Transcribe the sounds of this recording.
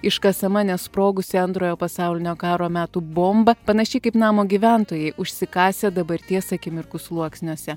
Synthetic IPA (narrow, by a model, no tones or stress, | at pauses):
ɪʃkɐsɐmɐnʲɛspɾoːɡʊsʲɪɐnt̪ɾoːjoːpɐsɑʊlʲɪnʲoːkɑːɾoːmʲæːt̪uːboːmbɐpɐnɐʃʲɛɪkɐɪpnɑːmoːɡʲiʋʲænt̪oːjɛɪʔʊʃʲsʲɪkɑːsʲeːd̪ɐbɐɾʲt̪ʲiɛsɐkʲɪmʲɪɾkʊslˠuɔksʲnʲoɔsʲɛ